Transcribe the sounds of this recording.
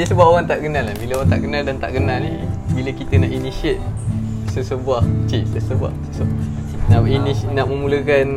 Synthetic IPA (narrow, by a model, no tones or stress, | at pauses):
nəsəbapowaŋt̪aʔɡənalːahbiloaŋt̪a̰ʔɡənaldant̪a̰ʔɡənalnḭbiləkit̪ənaʔinisiət̪̚ | səsəbuaht͡ʃift̪əsəbua̰hsəso | naʔininaʔməmuləkan